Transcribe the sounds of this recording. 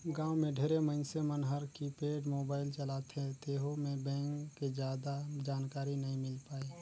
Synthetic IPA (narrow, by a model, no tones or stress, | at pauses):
ɡãːwmẽɖʱeɾemənsemənɦəɾkipeːɖmoːbaːɪlt͡ʃəlat̪ʰẽt̪eːɦomẽbɛ̃ːŋkːed͡ʒjaːd̪ad͡ʒaːnkaːɾinɐɦĩmɪlpaːiː